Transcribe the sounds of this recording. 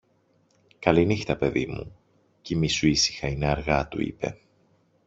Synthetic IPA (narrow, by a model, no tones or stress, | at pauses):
kɐlinixt̪ɐpe̞ðimṵ | cimisuisi̥xɐineɐɾɣɐt̪ṵḭpe̞̰